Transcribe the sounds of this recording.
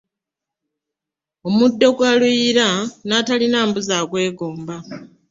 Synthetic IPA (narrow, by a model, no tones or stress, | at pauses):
o̞mudːo̞ɡwaluiɾanatalinaːmbuzaːɡwe̞ːɡo̞ːmba